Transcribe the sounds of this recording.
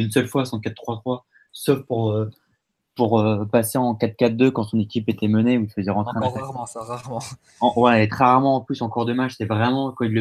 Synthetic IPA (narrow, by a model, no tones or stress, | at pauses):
ynsœlfwasɑ̃kat̪ːχwat̪χwa | sofpuʁø | puʁøpaseɑ̃kat̪kʲat̪̚d̪økɑ̃sɔ̃nekʲipet̪ɛməneuilfəzɛʁɑ̃t̪χɛ̃d̪aʁm̃sʁaʁmɑ̃ | ɑ̃wɛet̪χɛʁaʁmɑ̃ːplysɑ̃kɔʁd̪əmat͡ʃsɛvʁɛmɑ̃kwailːə